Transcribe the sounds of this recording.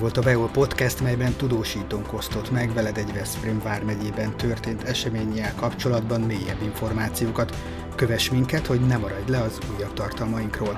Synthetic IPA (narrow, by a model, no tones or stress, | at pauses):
o̞lt̪ɒbɛolpo̞t̪kɛst̪mɛjbɛnt̪ud̪oːʃiːt̪oːŋko̞st̪o̞t̪mɛɡvɛlɛd̪ɛɟvɛsprimvaːrmɛɟeːbɛnt̪ø̞rt̪eːnt̪ɛʃɛmeːɲɛlkɒpt͡ʃo̞lɒd̪bɒnmeːjɛ̰bːiɱfo̞rmaːt̪sijoːkɒt̪ | kø̞vɛʃmiŋkɛt̪ho̞ɟnɛmɒɾɒɟlɛɒzuːjːɒbt̪ɒrt̪ɒlmɒjiŋkroːl